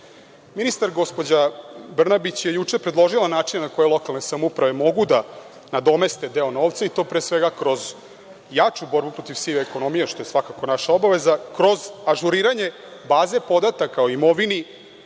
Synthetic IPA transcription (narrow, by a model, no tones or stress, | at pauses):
minist̪aɾɡo̞spo̞d͡ʑabr̩nabit͡ɕje̞jut͡ʂepɾed̪lˠo̞ʒilˠanaːt͡ʂinnako̞jelˠo̞kalˠne̞samoupɾaʋe̞mo̞ɡud̪a | nad̪o̞me̞st̪e̞d̪e̞o̞no̞ːʋt̪sait̪o̞pɾeːsʋeɡakɾo̞z | jat͡ʂubo̞ɾbupɾo̞t̪iʋsiʋeko̞no̞mijeʃt̪o̞jesʋakako̞naʃao̞baʋe̞zakɾo̞zaʒuɾiːɾaɲe̞ | baːze̞po̞d̪at̪akaoimo̞ʋini